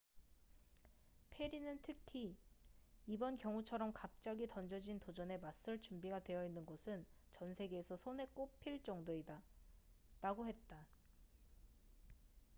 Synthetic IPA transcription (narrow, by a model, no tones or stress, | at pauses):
pʰe̞ɾinɯntʰɯkʰiː | bʌnkjʌŋut͡ɕʰʌɾʌmkap̚t͡ɕ͈aɡitʌnd͡ʑʌd͡ʑintod͡ʑʌne̞mas͈ɯɭt͡ɕumbiɡadwe̞jʌinːɯnɡosʰɯn | t͡ɕʌnsʰe̞ɡeːsʰʌsʰone̞k͈opʰiɭt͡ɕ͈ʌŋdoida | ɾaɡohe̞t̚t͈a